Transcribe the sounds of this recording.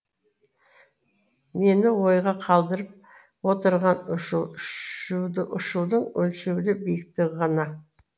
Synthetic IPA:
me̞nɪwo̞jʁɑqʰɑlˠd̪əɾəp̚ | wo̞t̪əɾʁɑnʃ | ʔʊʃuwd̪əɴɵlʃewd̪ɪbijɪk̚t̪ɪʁɑnɑ

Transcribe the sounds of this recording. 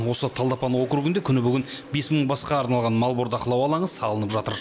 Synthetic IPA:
wo̞sət̪ʰɑlˠd̪ɑpɑnwo̞kɾuɡɪnd̪ekʲʰʏnɪbʏɡʲɪnbe̞sməɴbɑsqɑːɾnɑlˠʁɑnmɑlˠboɾd̪ɑqəlˠɑwɑlˠɑɴəz̥sɑlˠənəpʒɑt̪əɾ

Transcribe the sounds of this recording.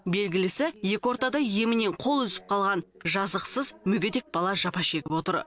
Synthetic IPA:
be̞lɡʲɪlɪsɪje̞kʲɪwoɾt̪ɑd̪ɑje̞mɪne̞ɴqʰo̞lˠʏzɪ̥p̚qʰɑlˠʁɑnʒɑzəqsəzmʏɡʲed̪e̞k̚bɑlˠɑʒɑpɑʃe̞ɡʲɪpwo̞t̪əɾ

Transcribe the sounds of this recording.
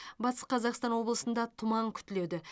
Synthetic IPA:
bɑt̪ə̥sqʰɑzɑqst̪ɑnwo̞blˠəsənd̪ɑt̪ʰʊmɑɴkʲʰʏ̥t̪ɪle̞d̪ɪ

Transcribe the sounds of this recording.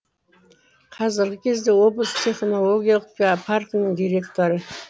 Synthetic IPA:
qʰɑzɪɾɡʲɪkʲʰe̞zd̪e̞wo̞blˠəst̪ʲʰeχno̞lˠo̞ɡʲijalˠəqpʲpʰarknəɴd̪ʲiɾʲe̞kt̪o̞ɾə

